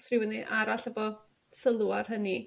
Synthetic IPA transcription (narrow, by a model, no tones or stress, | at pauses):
srɪwəniʔaɾaɬəbɔ | səlˠuarɦəni